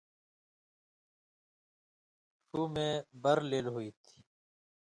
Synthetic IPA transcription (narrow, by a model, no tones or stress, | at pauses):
ʈuːmẽːbɐɾleːlɦuiːt̪ʰi̥ː